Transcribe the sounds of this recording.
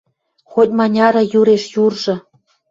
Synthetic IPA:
xot̚ʲmɑnʲɑɾɤ̆juɾeʃjurʒɤ̆

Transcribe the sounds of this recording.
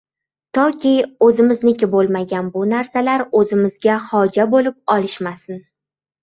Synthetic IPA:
t̪ʰɒkʲɪɵzɪmɪznɪkʲɪbolˠmaɡʲanbʊnaɾsalaɾɵzɪmɪzɡʲahɒd͡ʒabolɪp̚ɒlˠɪʃmasɪn

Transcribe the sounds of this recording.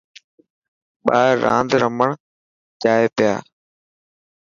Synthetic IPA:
ɓaːã̰ːnd̪ɾəməɳ | d͡ʒaːepɪjaː

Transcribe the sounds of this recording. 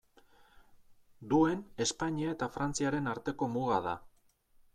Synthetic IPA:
d̪ue̞ne̞spaɲiae̞t̪afɾant͡siaɾe̞naɾt̪e̞ko̞muɣaða̰

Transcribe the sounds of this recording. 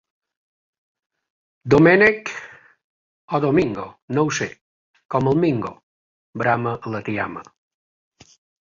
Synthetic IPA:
d̪omenek | ɔd̪omiŋɡonowse | kɔməlˠmiŋɡo | bɾamələt̪ia̰mə̰

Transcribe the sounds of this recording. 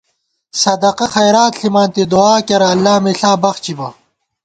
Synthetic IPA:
sɐd̪ɐqɐxɐjɾaːt̪ɬimaːnt̪id̪uaːkɐɾɐɐlːaːmeɬaːbɐxt͡ɕibɐ

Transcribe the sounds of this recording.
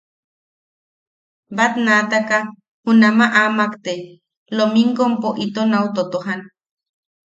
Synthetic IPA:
bat̪nat̪aka | hunamaʔamakt̪e | lomiŋkompoʔit̪onawt̪ot̪oɦan

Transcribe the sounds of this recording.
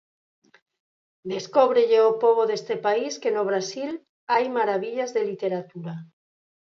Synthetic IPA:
d̪eskoβ̞ɾeʎeopoβ̞oðest̪epaiskenoβ̞ɾasil | ajmaɾaβiʎazðelit̪eɾat̪uɾa

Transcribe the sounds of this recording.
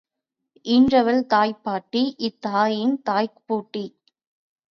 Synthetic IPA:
ʔɪndrɐʋɐlt̪aːjpːaːʈːiʔɪt̪ːaːjɪnt̪aːjkpuːʈːi

